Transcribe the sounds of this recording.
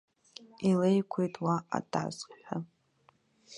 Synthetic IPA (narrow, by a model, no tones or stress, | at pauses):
ile̞jkʷʰejtʼwaa̰dʼa̰zħʷᶣa